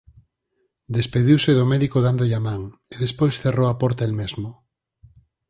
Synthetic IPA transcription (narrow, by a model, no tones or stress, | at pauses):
d̪espeðiwsɪðʊmɛðikoðand̪oʎamaŋeðespojsθerowapɔɾt̪aelmezmʊ